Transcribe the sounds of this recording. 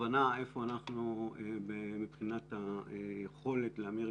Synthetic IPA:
anae̞fo̞anaχnuebemipχinataejeχo̞le̞t̪leame

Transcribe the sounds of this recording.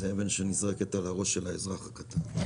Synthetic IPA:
zeevenʃenizʁeketalaʁo̞ʃːelaezʁaχakat̪an

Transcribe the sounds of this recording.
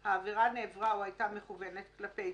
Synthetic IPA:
haːviʁaneːvʁauajtameχuve̞ne̞t̪̚klapej

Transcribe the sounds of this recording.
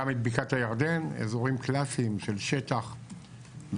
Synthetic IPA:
amed̪bikat̪hajaʁd̪e̞nḛzo̞ʁimklasiːmʃelʃet̪aχ | v

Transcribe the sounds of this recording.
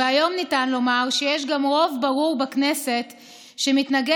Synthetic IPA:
eajo̞mnitanlo̞maʁʃejeʃ̬ɡamʁo̞vbaʁuʁbaknese̞t | ʃemitnaɡe

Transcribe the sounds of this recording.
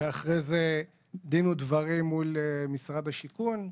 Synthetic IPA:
eaχʁeze | d̪inud̪vaʁimːulemisʁad̪haʃikun

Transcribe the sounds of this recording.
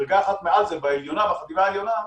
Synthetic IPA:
ʁɡaːχat̪mealzebaeljonavaχat̪ivaeljo̞na

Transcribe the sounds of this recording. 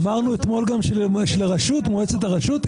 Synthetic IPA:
maʁnuet̪mo̞lɡamʃeʃelʁaʃut̪moet͡set̪aʁaʃut̪

